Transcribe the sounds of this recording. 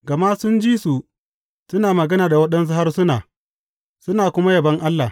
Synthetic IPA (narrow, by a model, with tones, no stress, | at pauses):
ɡɐ˨ma˦sʊ˦nd͡ʒiː˦su˨ | sʊ˦naː˨mɐ˨ɡɐ˦naː˨da˨wɐ˦ɗɐ˦ns̬ʊ˦ha˦rsʊ˦naː˨ | sʊ˦naː˨kʷʊ˦ma˦jɐ˨bɐ˦ŋʔa˦lːa˨